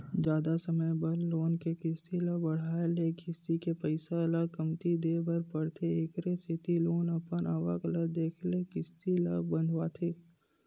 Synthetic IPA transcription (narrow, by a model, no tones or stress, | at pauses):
d͡ʒjaːd̪asəməjbəɾloːnkekɪst̪ʰilabɐɽ̤aːlekʰɪst̪ikepəɪsaɐləɡkəmt̪id̪eːbəɾpəɽt̪ʰeeːkɾesɪt̪iloːnɐpənaːʋə̰kələd̪eːkʰlekɪst̪ʰila̰bə̃nd̪ʱʋaːt̪ʰeː